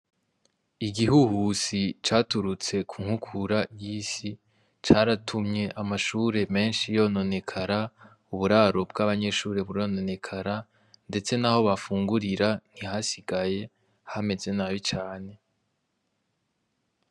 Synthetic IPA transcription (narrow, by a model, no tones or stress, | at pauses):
iɡihuhusit͡ʃaːtuɾut͡se̞kʰuŋ̥hukʰuɾajiːsi | t͡ʃaɾatʰumɲe̞ʔamaʃuːɾe̞me̞ːnʃijo̞ːno̞ne̞kʰaɾa | uβuɾaɾobɡaβaɲe̞ʃuːɾe̞βuɾo̞no̞ne̞kʰaɾa | nde̞t͡se̞naho̞βafuːŋɡuɾiɾan̥hihasiɡaje̞ | hame̞ze̞naːβit͡ʃaːne̞